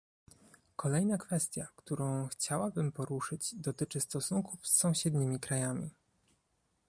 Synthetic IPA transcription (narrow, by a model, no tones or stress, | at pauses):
kɔlɛjnakfɛst̪ʲjakt̪uɾɔ̃w̃xt͡ɕawabɘmpɔɾuʂɘd͡ʑd̪ɔt̪ɘt͡ʂɘst̪ɔsuŋkufsːɔ̃w̃ɕɛd̪ɲimʲikɾajamʲḭ